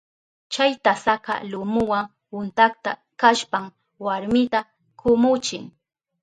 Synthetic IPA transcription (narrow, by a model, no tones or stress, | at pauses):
t͡ʃajt̪asaqɑ̰lʊmʊwaŋ | wʊnt̪akt̪a | kaʃpam | waɾmɪt̪a | kʊmʊt͡ʃɪŋ